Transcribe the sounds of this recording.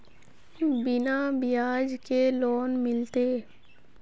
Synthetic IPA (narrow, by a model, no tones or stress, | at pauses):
bɪnabɪjaːd͡ʒkeloːnmɪlt̪eː